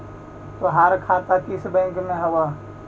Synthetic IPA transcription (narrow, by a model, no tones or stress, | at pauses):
t̪oɦaːɾkʰat̪ak̪isbɛ̃ŋkmẽɦɐwa